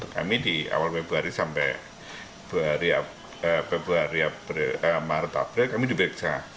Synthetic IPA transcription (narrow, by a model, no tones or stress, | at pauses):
t̪ʊkka̰midia̰walpɛbəɦaɾisampɛ | b̥əɦaɾia | əpɛbəɦaɾiapɾəmaɾət̪a̰pɾɛkamidibɾɛk̚sa